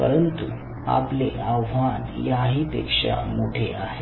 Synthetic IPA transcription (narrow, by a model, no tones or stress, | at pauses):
pə̰ɾənt̪u | a̰pleaʋʋanjaɦiːpḛkʂa̰moʈʰeaɦe